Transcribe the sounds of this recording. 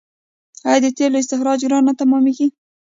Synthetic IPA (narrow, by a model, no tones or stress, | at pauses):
hajd̪ət̪eloɪs̬t̪ɪxɾɑd͡ʒɡɾɑnat̪amɑmiɡi